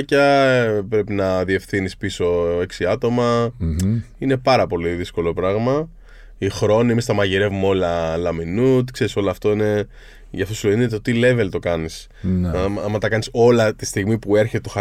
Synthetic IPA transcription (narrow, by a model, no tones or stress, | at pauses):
cɐpɾe̞pinɐðie̞fθinispiso̞e̞ksiɐt̪o̞mɐ | inepɐɾɐpo̞liðisko̞lo̞pɾɐɣmɐ | ixɾo̞nimist̪ɐmɐʝiɾe̞vumeo̞lɐlɐminut̪kse̞ɾiso̞loɐːft̪o̞ine̞ | ʝɐft̪osiloinet̪ot̪ile̞ve̞lt̪o̞kɐnis | ɐmɐt̪ɐkɐniso̞lɐt̪ist̪iɣmipue̞ɾçet̪et̪o̞xɐ